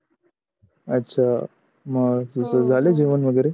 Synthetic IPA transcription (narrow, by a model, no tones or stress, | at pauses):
ətːɕʰa | məɡsusəd͡zʱaled͡ʑeʋənʋəɡəɾe